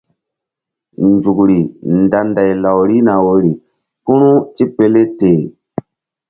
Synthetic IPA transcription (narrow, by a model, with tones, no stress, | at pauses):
n˨d͡ʒu˨kɾi˨nda˨nda˨jla˨wɾi˦na˨wo˨ɾi˨ | pu˦nu˦ti˦pe˦le˦teː˨